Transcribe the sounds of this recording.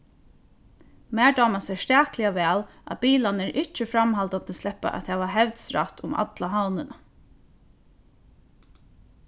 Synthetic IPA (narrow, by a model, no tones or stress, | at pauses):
mæːɹdaːmasɛɹst̪æːklɪaʋɛːl | ʔa̰biːlanɛɹʔɪt͡ʃəfɾamɦalt̪ant̪ʰɪslɛhpːa̰ʔæ̰t̪ʰɛːʋaɦɛʋt̪sɾa̰t̪ʰʊma̰t̪laɦawnɪna